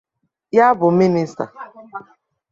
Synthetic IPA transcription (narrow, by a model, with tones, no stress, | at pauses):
ja˦bʊ˨˦mi˦ni˦sta̰˨